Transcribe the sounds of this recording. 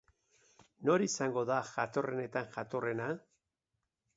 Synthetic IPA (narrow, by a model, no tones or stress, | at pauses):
no̞ɾisaŋɡo̞ðaʝat̪o̞re̞ne̞t̪aŋʝat̪o̞re̞na